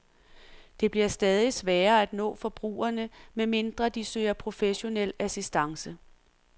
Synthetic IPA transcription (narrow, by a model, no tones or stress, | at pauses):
d̥e̝b̥liɐsd̥ɛːð̞ˠisʋɛːɐæd̥nɔ̰̽ːfɒ̽b̥ʁṵːɐnəmeme̝nd̥ʁɐd̥isø̰ːɐpʰʁo̝feɕo̝nel̰æsisd̥ɑ̈ŋsə